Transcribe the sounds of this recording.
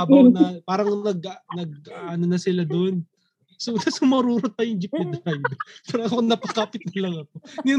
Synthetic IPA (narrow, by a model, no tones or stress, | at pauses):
bɐwnɐpaːɾɐŋnɐɡ̚nɐɡ̚aʔanonɐsɪlad̪on | sok̪asoŋmɐɐɾuːɾot̪aːjʊŋd͡ʒɪp̪̚ːɛd̪ɾajd̪paɾɐŋɐkonɐpɐkaːpɪt̪̚nɐlɐŋɐkon